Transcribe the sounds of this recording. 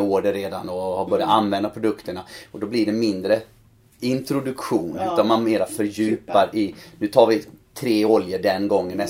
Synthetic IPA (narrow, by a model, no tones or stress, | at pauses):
oːɖəɾeːd̪a̰nd̪ɔhabœːɾɪjat̪anːvɛnd̪apʰɾʊd̪ɵkt̪əɳaɔd̪ɔblɪɖɛmɪnd̪ɾə | ɪnt̪ɾʊd̪ɵkɧuːnʉ̟ːt̪anmanmeːɾafœɾjʉ̟ːpaɾɪnʉ̟ːt̪ʰɑːɾvɪt̪ʰɾeːɔljəɖɛnɡɔŋːəmɛ